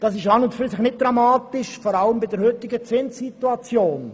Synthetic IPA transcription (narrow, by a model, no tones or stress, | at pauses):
d̥ɑsɪʃɑnʊtfyɾsɪxnɪt̚d̥rɑmɑːtɪʃfɔɾɑləmbɪdɛɾhøt̪ɪɡət͡sɪnssituɑt͡sjoːn